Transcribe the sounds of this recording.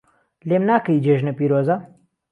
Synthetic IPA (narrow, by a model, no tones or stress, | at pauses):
lemnaːkɐjid͡ʒeːʒnɐpiːɾoːzɐ